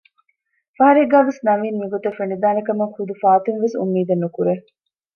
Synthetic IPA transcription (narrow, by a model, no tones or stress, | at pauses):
fɐɦɐɾeɡaːʋesnɐʋiːnmiɡot̪ɐfeɳɖid̪aːnɐkɐmeŋχud̪ufaːt̪inʋesṵmːiːd̪enːukuɾe